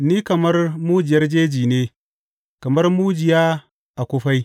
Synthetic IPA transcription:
ni˦kɐ˨mɐ˦rmu˦d͡ʒi˨jɐ˦rd͡ʒeː˦d͡ʒiː˨ne˦ | kɐ˨mɐ˦rmu˦d͡ʒi˨ja˦ | a˨kʷo˦ɸa˦j

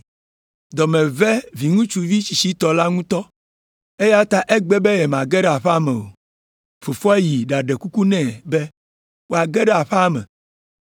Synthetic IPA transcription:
d̪ɔ˨mẽ˨vɛ˦vi˨ŋũ˦t͡ʃu˨vi˦t͡ɕi˨si˦t̪ɔ˨la˦ŋũ˦t̪ɔ˦ | e˦ja˦t̪a˦ʔe˦ɡ͡be˦be˦jɛ˨mã˨ɡɛ˦ɖɛ˦a˨ɸɛ˦a˦mɛ˨o̰˨ | fo˨fɔ˦e˦ji˨ɖa˨ɖe˨ku˦ku˦nɛ̃˦˨be˦ | wo˦a˨ɡe˦ɖɛ˦a˨ɸɛ˦a˨mɛ̰̃˨

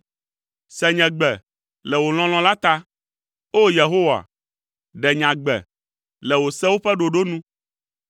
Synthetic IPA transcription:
sɛ˨ɲɛ̃˨ɡ͡bɛ˨ | lɛ˨wo˨l̃ɔ̃˦l̃ɔ̃˨˦la˦t̪a˦ | o˦je˨ɦo˦wa̰˨ | ɖɛ˨ɲã˨ɡ͡bɛ̰˨ | lɛ˨wo˨sɛ˦wo˦ɸɛ˦ɖo˨ɖo˦nũ˦

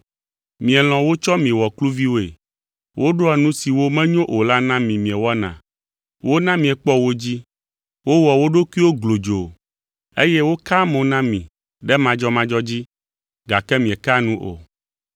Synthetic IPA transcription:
mĩ˨ɛ˨l̃ɔ̃˨wo˦t͡ʃɔ˦mĩ˨wɔ˨klu˦vi˦wo˦ḛ˨ | wʔo˦ɖo˦a˨nũ˦si˨wo˦mɛ̃˦ɲõ˦ʔo˨la˦nã˦mĩ˨mĩ˨ɛ˨wɔ˦nã̰˨ | wʔo˦nã˦mĩ˨ɛ˨k͡pɔ˦wo˦d͡ʑi˦ | wo˦wɔ˨wo˦ɖo˦kwi˦wo˦ɡlo˨d͡ʒo˨ | e˦jɛ˦wo˦ka˦mõ˨nã˦mĩ˨ | ɖɛ˦mã˨d͡ʒɔ˦mã˦d͡ʒɔ˦d͡ʑi˦ | ɡa˨kɛ˦mĩ˨ɛ˨ka˦nũ˦ʔo̰˨

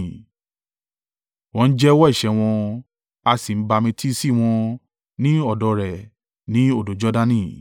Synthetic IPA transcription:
w̃ɔ̃˧n̩˦d͡ʒɛ˦wɔ˦i˦˨ʃɛ˧˦w̃ɔ̃˧ | a˧si˨m̩˦ba˧mĩ˧tʰi˦si˦˨w̃ɔ̃˧ | nĩ˦ɔ˦˨dɔ˨˧ɾɛ˨ | nĩ˨˦o˦˨do˨˦d͡ʒɔ˦dã˦˧nĩ˦˨

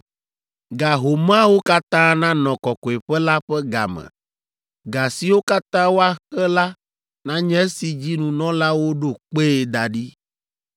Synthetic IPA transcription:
ɡa˨ɦo˨m˦ã˦wo˦ka˦t̪ã˦nã˦nɔ̃˨kɔ˨kɔ˨e˨ɸɛ˦la˦ɸɛ˦ɡa̰˨mɛ̰̃˨ | ɡa˨si˨wo˦ka˦t̪ã˦wo˦a˦xɛ˦la˦ | nã˦ɲɛ̃˦si˨d͡ʑi˦nũ˨nɔ̃˦la˦wo˦ɖo˦˨k͡pe˦˨d̪a˨ɖi˦

